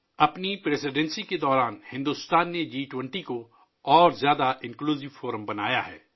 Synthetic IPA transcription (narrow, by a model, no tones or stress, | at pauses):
ɐpnipɾeːsɪɖɛ̃nsiked̪ɔːɾaːnhɪ̃nd̪ust̪aːnːed͡ʒiːʈwə̃ɳʈiko | ɔːɾzjaːd̪aʔɪ̃nkluːzɪʋfoːɾəmbɐna̰ːjaɦɛː